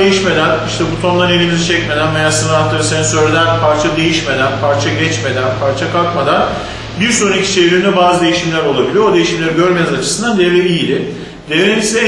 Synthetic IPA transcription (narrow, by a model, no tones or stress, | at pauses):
ejiʃme̞d̪æniʃt̪ʰɛbut̪ʰo̞nlˠaɾne̞lʲimizit͡ʃʰɛc̚me̞d̪ænvejasɯnɯat̪ːɯɾɯsenisøjɾlʲed̪ænpʰaɾt͡ʃʰad̪e̞jiʃme̞d̪ænpʰaɾt͡ʃʰaɟɛt͡ʃme̞d̪ænpʰaɾt͡ʃʰakʰalkmad̪an | biɾsoɾicʰʲi̥t͡ʃʰevɾʲind̪ɛbaːzɯd̪e̞jiʃimlʲæɾo̞lˠabilʲijood̪e̞jiʃimlʲeɾiɟøɾmenizat͡ʃʰɯ̥sɯnd̪and̪evɾʲeijlʲɪ | d̪̥eveɾinsisɛ